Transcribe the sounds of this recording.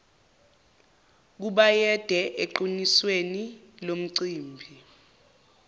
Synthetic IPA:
k̬uɓajɛd̥ʱɛʔeǃinisweni | lom̩ǀiːmbʱi

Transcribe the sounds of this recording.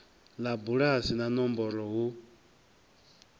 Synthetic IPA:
labuɺasinanɔmbɔɾɔɣu

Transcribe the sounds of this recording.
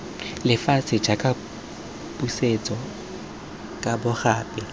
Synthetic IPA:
lɪfasʰɪd͡ʒakʼa | pʼuset͡sʼɔ | kʼabʊχaːpʼɪ

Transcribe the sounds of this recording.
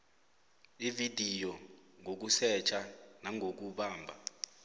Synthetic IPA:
ividʱijɔŋok̬usɛt͡ʃʰanaŋʱok̬uɓaːmbʱa̰

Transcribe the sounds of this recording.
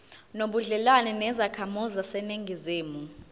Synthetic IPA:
noɓuɮɛlwanɛnɛzakʰamɔzasɛneŋɡʱizeːmu

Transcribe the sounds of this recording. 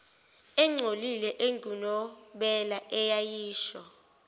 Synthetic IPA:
ɛŋ͡ǀʱolilɛʔeŋɡʱunɔɓɛlaʔɛjajiːʃɔ

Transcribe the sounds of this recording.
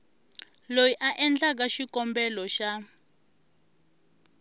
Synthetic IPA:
lojiʔaʔɛnd͡ɮak̬aʃikɔmbɛlɔʃa

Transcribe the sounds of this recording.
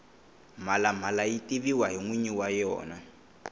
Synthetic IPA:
m̤alam̤alajitiβiwaɦiŋwiɲiwajɔ̰ːna

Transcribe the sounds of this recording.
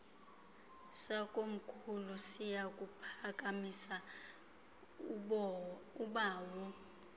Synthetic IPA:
sakʼom̩kʰulusijakʼupʰak̬ʼamisa | uɓaːwɔ

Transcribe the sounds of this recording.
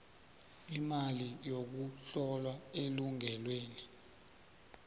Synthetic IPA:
imalijok̬uɬɔlwaeluŋɛlweːni

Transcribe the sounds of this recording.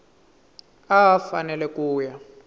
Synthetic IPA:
aafanɛlɛkuːja

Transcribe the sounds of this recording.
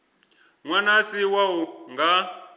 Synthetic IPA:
ŋwanasiwawuŋɡa

